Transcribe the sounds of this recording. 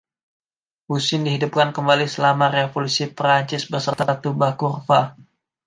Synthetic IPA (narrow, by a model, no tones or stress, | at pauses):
musɪndiɦidup̚kankəmbalisəlamaɾefolusipɾaɲt͡ʃɪsbərsərt̪at̪ubakurfa